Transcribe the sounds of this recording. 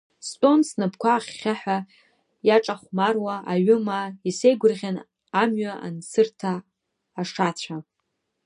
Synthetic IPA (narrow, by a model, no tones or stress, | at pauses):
stʷʼo̞nsnɨpʰkʷaːχːʲaħʷᶣa | jaʈ͡ʂʼaχʷmarwaaɥʊmaise̞jɡʷʊrʁʲan | amɥaʔa̰nsɨrtʰaː | ʂat͡ɕʷʰa